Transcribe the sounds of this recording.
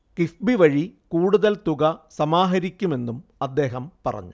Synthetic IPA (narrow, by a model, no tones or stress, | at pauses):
kifbiʋɐɻikuːɽuðɐlt̪uɣɐsɐmaːɦɐɾikʲːume̞nːumɐd̪ːe̞ːɦɐmpɐ̰rɐ̰ɲːu